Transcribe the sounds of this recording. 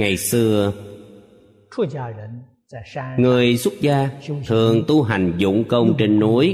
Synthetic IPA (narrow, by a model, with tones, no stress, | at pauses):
ŋa˨˩jsɨ˧ə | ʈ͡ʂʰu˥˧t͡ɕja˥˩ɻə˧˦n | t͡sa˧˩˧ŋɨ˨˩əjswə˦˥t̚zaː˧t̪ʰɨ˨˩əŋt̪u˧ɦa˨˩jŋ̟zʊ̰˧˥ŋ͡mkə˧wŋ͡mŋ͡mt͡ɕe˧nːu˨˦əj